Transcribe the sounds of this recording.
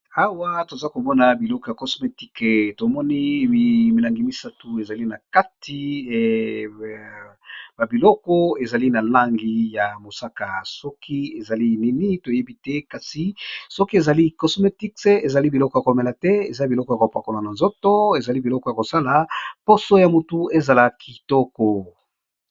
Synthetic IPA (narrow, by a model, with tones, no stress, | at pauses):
a˦wa˦to˨za˦ko˨mɔ˦na˨bi˨lɔ˦kɔ˦ja˨kɔ˨sme˨ti˦kto˨mɔ˦ni˦i˨mi˨la˨ŋɡi˨mi˦sa˦tu˨e˨za˨li˦na˨ka˦ti˦ | ba˨bi˨lɔ˦kɔ˦e˨za˨li˦na˨la˦ŋɡi˦ja˨mo˨sa˦ka˨sɔ˦kʰi˦e˨za˨li˦nɛ˦ni˦to˨je˦bi˦tɛ˦ka˨si˨sɔ˦ki˦e˨za˨li˦ko˨so˦me˦ti˦kse˦e˨za˨li˦bi˨lɔ˦kɔ˦ja˨ko˨mɛ˨la˨tɛ˦ḛ˨za˦bi˨lɔ˦kɔ˦ja˨ko˨pa˨ko˨la˨na˨nzo˦to˦e˨za˨li˦bi˨lɔ˦kɔ˦ja˨ko˨sa˦la˨po˦so˦ja˨mo˨tu˦e˦za˨la˨kʰi˨tɔ˦kɔ˨